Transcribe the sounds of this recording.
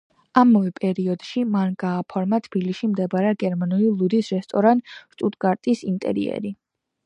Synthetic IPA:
amavɛpʼɛɾiɔd̪̥ʃimanɡaːpʰɔɾmat̪ʰb̥iliʃimd̪ɛbaɾɛɡɛɾmanulilˠud̪isɾɛst̪ʼɔɾant̪ʃt̪ʼut̪ʼɡaɾt̪ʼisint̪ʼɛ̰ɾḭɛ̰ɾi

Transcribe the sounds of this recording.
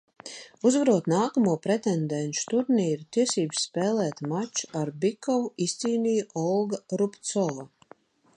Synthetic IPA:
uzvaɾuɔt̪naːkamuɔpɾɛt̪ɛnd̪ɛnʃu̥t̪uɾniːɾut̪iɛsiːbsːpɛːlɛːt̪mat͡ʃu̥aɾbikɔvuist̪siːnijuʔɔlˠɡaɾupt̪sɔlˠa

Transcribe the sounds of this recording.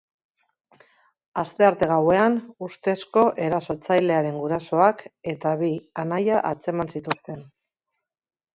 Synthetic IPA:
ast̪e̞aɾt̪e̞ɣ̞awe̞anust̪e̞sko̞ʔe̞ɾaso̞t͡sajle̞aɾe̞ŋɡuɾaso̞ake̞t̪aβianajaʔat͡se̞mansit̪ust̪e̞n

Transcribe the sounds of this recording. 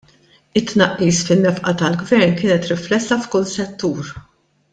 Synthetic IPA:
ɪt̪ːnɐʔːiːsfɪnːɛfʔɐt̪ɐlɡvɛɾnkɪːnɛt̪ɾɪflɛsːɐfkʊnsɛt̪ːuːɾ

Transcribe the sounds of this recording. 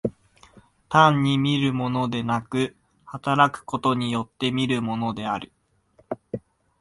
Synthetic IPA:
t̪ãɲ̟ːimʲiɾɯ̟mo̞no̞d̪e̞nakɯ̟ | hat̪aɾakɯ̟̥ko̞t̪o̞ɲ̟ijo̞t̪ːe̞mʲiɾɯ̟mo̞no̞d̪e̞aɾɯ̟

